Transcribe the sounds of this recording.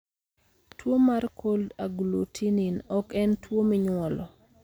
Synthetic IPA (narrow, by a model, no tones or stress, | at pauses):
twomarkʰoldaɡlutʰininɔkɛntwomɪɲwɔlɔ